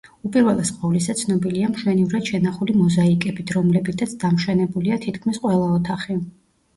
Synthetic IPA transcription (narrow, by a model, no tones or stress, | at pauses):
upʼiɾvɛlˠɛsqʼɔvlisat̪sʰnɔbiliamʃwɛnivɾad̪̥ʃɛnaχulimɔzaikʼɛbit̪ʰɾɔmlɛbit̪ʰat̪sʰd̪amʃwɛnɛbuliat̪ʰit̪kʰmisqʼwɛlˠaɔt̪ʰaχi